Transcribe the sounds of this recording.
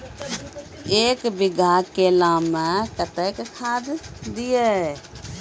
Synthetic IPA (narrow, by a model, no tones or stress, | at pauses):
eːkbɪɡʱakelaːmẽkət̪əkkʰaːd̪d̪ije